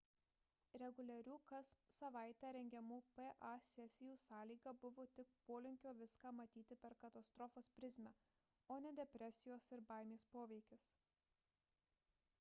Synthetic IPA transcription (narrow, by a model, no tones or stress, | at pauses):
ɾʲɛɡʊlʲɛɾʲuːkɐssɐʋɑˑɪt̪ʲɛːɾʲɛŋʲɡʲɛmuːpɛʔɐsʲɛsʲɪjuːsɑːlʲiːɡɐbʊʋoːt̪ʲɪk̚poːlʲɪŋʲkʲoːʋʲɪskɑːmɐt̪ʲiːt̪ʲɪpʲɛɾkɐt̪ɐst̪ɾɔfoːspʲɾʲɪzʲmʲɛ | oːnʲɛd̪ʲɛpʲɾʲɛsʲɪjoːsɪɾbɑˑɪmʲeːspoːʋʲɛɪkʲɪs